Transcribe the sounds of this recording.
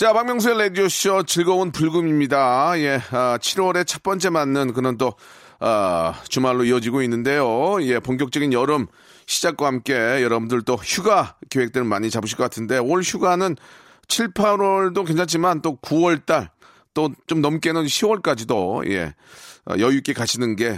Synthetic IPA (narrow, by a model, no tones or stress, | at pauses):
t͡ɕapaŋmjʌŋs̬ʰueledioɕʌt͡ɕiɭɡʌunpuɭɡumimɲidaje̞ʌt͡ɕʰiɾwʌɾe̞t͡ɕʰʌp͈ʌnt͡ɕ͈e̞manːɯnkɯnʌnt̬͈o | ʌt͡ɕumaɭːoiʌd͡ʑiɡoinːɯnde̞joje̞poŋk̬jʌk̚t͡ɕ͈ʌɡinjʌɾɯm | ɕʰid͡ʑak̚k͈wahamk͈e̞jʌɾʌbundɯɭt͈oçuɡakjoɦe̞k̚t͈ɯɾɯɭmaɲit͡ɕabɯɕ̬ʰik͈ʌk͈atʰɯnde̞oɭçjuɡanɯn | t͡ɕʰiɭpʰaɾwʌɭdok̬we̞nt͡ɕʰaŋt͡ɕimant͈okuʌɭt͈aɭ | t͈ot͡ɕomnʌmk͈e̞nɯnɕʰiwʌɭk͈ad͡ʑidoje̞̰ | ʌ̰jʌjuk͈e̞kaɕʰinɯnɡe̞